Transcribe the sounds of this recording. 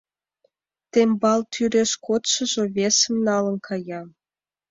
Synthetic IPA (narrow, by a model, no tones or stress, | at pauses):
t̪embɑlt̪ʰyɾeʃkot̪ʃɤ̆ʒŏβesə̆mnɑlə̆nkʰɑjɑ